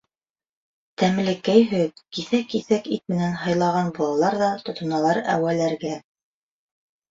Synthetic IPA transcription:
t̪æmlɘ̆kːæjɦɵðkiθækiθækit̪̚mɘ̆nænɦɑjlˠɑʁɑnbulˠɑlˠɑɾðɑt̪ŏt̪ŏnɑlˠɑɾæ̰wælæɾɡæ

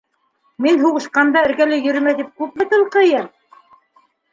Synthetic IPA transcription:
minɦuʁɤ̆ʃqɑnd̪ɑɘ̆ɾkælɘjɵ̆ɾmæt̪ip̚kʉp̚mæt̪ɤ̆lˠqɤ̆jɤɾ

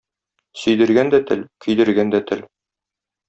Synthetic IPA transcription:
sɵ̆jd̪ɘ̆ɾɡænd̪æt̪ɘlkɵ̆jd̪ɘ̆ɾɡænd̪æt̪ʰɘl

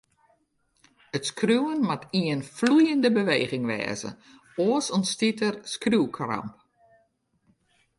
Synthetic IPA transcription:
ətskruwənmatiənflujəndəbəʋeːɣɪŋʋɛ̰ːzə̰ | oəsɔnstitərskruːkʰrɑ̰mp̚

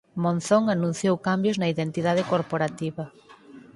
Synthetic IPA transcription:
mõnθoŋanũn̟θjowkambjʊznɐiðent̪iðað̞ɪkoɾpoɾat̪iβɐ

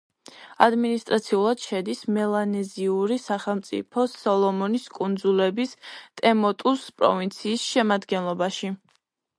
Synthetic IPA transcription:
ad̪minist̪ʼɾat̪sʰiulˠad̪̥ʃɛd̪ismɛlˠanɛziuɾisaχɛlˠmt̪sʼḭpʰɔsɔlˠɔmɔniskʼund̪zulɛbist̪ʼɛmɔt̪ʼuspʼɾɔ̰vint̪sʰiːsʃɛmad̪ɡɛnlˠɔbaʃi

